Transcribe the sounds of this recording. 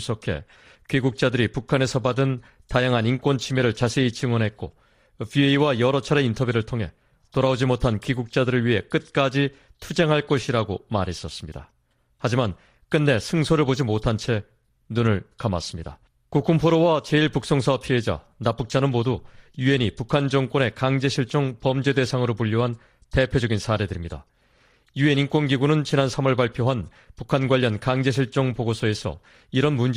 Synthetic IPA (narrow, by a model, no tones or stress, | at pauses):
s͈ʌkʰe̞̰ | kɥiɡuk̚t͡ɕ͈adɯɾipukʰane̞sʰʌbadɯn | tajaŋɦaninkwont͡ɕʰimeɾɯɭt͡ɕasʰe̞it͡ɕʰiŋwʌnɦe̞t̚k͈o | vieiwajʌɾʌt͡ɕʰaɾe̞intʰʌbjuɾɯɭtʰoŋɦe̞̰ | toɾaod͡ʑimotʰankiɡuk̚t͡ɕ͈adɯɾɯɭɥiɦe̞k͈ɯt̚k͈ad͡ʑi | tʰud͡ʑe̞ŋɦaɭk͈ʌɕʰiɾaɡomaɾɦe̞s͈ʌs͈ɯmɲida̰ | had͡ʑiman | k͈ɯnːe̞sʰɯŋsʰoɾɯɭpod͡ʑimotʰant͡ɕʰe̞ | nunɯɭkama̰s͈ɯmɲida̰ | kukʰumpʰoɾowat͡ɕe̞iɭpuk̚s͈oŋsʰʌpʰie̞d͡ʑa̰ | nap͈uk̚t͡ɕ͈anɯnmodujue̞nipukʰand͡ʑʌŋk͈ʌne̞kaŋd͡ʑe̞ɕʰiɭt͡ɕ͈oŋpʌmd͡ʑe̞de̞sʰaŋɯɾopuʎːoɦan | te̞pʰjod͡ʑʌɡinsʰaɾe̞dɯɾimɲida̰ | jue̞nink͈wonɡiɡunɯnt͡ɕinansʰamʌɭpaɭpʰjoɦan | pukʰanɡwaʎːʌnkaŋd͡ʑe̞ɕ̬ʰiɭt͡ɕ͈ʌŋpoɡosʰoe̞sʰʌ̰ | iɾʌnmund͡ʑ